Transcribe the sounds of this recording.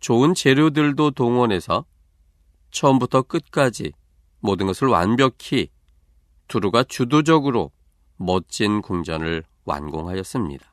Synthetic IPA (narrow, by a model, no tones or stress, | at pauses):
t͡ɕoɯnt͡ɕe̞ɾjodɯɭdotoŋwʌne̞sʰʌ | t͡ɕʰʌmbutʰʌk͈ɯt̚k͈ad͡ʑḭ | modɯnɡʌsʰɯɭwa̰nbjʌkʰi | tuɾuɡat͡ɕudod͡ʑʌɡɯɾo̰ | mʌt͡ɕ͈inkuŋd͡ʑʌnɯɭ | wa̰nɡoŋɦajʌs͈ɯmɲḭdḁ